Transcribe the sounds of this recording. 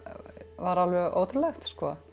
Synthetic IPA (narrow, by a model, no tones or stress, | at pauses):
vaɾalvɛɣʔo̰ːwt̪ɪɾlɛxt̪skɔ